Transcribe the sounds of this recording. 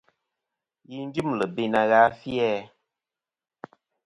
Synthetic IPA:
ji˦n˦d͡ʒi˦mlə˨be˨na˨ɣaː˨˦fjɛ˦

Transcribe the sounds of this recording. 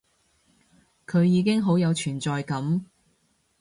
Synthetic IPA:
kʰɵ˨˧ɥjiː˨˧k̬ɪ˥ŋɦo˨˥wjɐ˨˧wt͡ʃʰyː˨˩nt͡sɔː˨˧jkɐ˨˥m

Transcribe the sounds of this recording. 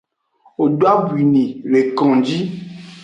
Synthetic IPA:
o˨ɖo˦a˦bu˨i˨nĩ˨ɾe˨kɔ̃˨d͡ʒi˦

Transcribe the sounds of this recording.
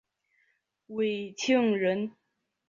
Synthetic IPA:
we˨˩ɪtʰi˥˩ŋɻə˧˦˥n

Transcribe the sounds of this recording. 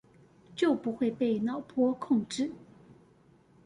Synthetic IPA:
t͡ɕjo˥˩ʊpu˧˥xwe˥˧ɪpe˥˧ɪnɑ˨˩ʊpʰwɔ˥kʰʊ˥˧ŋʈ͡ʂɻ̩˥˩

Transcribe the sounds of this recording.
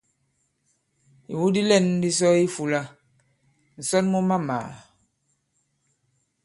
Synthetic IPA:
ḭ˨wu˦di˦lɛ˦˨n˦di˦s̬ɔ˦i˦fu˨la˦ | n̩˨sɔ˦nmu˦ma˦ma̰ː˨

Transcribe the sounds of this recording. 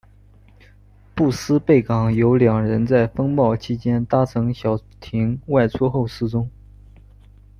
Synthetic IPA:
pu˥˩sɹ̩˥pe˥˩ɪkɑ˨˩ŋjo˧˥ʊljɑ˨˩ŋɻə˧˥nt͡sa˥˩ɪfɤ˥ŋpɑ˥˩ʊt͡ɕʰi˥t͡ɕjɛ˥nt̪a˥t͡sʰɤ˧˥ŋɕjɑ˨˩ʊt̪ʰi˧˥ŋwa˥˩ɪt͡sʰwɔ˥xo˥˧ʊʂɹ̩˥˧ʈ͡ʂʊ˥ŋ

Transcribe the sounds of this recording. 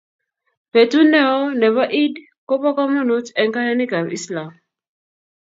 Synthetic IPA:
pɛ˨tu˦nɛ˦ɔ˦nɛ˨vaʔi˦d | ko˦pa˦kɔ˦mɔ˦nu˦tɛ̃˨nka˦nɛ˦ni˦ka˨vḭ˦slam

